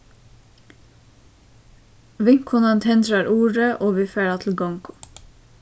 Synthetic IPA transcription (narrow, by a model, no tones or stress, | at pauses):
ʋɪŋkʰʊnɑnt̪ʰɛnd̪ɾɑɾʔuːɾəʔoːʋiːfeːɾɑːt̪ʰl̩ɡɔŋkʊ̥